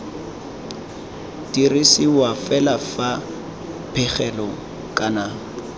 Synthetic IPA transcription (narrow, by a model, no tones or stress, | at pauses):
tirisɪwafɛlafa | pʰɛχɛlɔ | kʼana